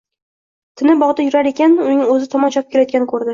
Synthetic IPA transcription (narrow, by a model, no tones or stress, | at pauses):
t̪ʰɪnɪbɒʁd̪ajʊɾaɾe̞kʲʰanʊnɪŋɵzɪt̪ʰɒmɒnt͡ʃʰɒp̚kʰʲelajt̪̚kʲanɪkʰɵɾd̪ɪ